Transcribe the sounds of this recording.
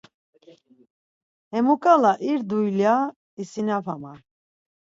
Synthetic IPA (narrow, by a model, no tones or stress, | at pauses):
hɛmukʼalaʔiɾd̪ujlja | isinavama